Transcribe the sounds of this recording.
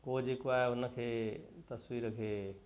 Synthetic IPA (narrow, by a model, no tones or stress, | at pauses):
kod͡ʒekuaeʊnəkʰet̪əswiɾkʰe